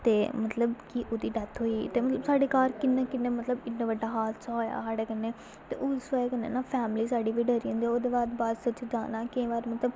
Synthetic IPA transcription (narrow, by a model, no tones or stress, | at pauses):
t̪eːmət̪ləbkiʔoːd̪iːɖɛt̪ʰɦoːiːt̪eːmət̪ləbsaːɖeːkaːɾkɪnːẽːkɪnːẽːmət̪ləbɪnːẽːʋəɖːaːɦaːlsoːja̰ːsaːɖeːkənːeː | t̪ḛːʔʊsaːeːkənːḛːnaːpʰɛːmliːsaːɖiːʋiːɖəɾiːõːnd̪ioːd̪eːbaːd̪baːd̪sət͡ʃːd͡ʒ̪a̰ːnaːkɪẽːʋaːɾmət̪ləb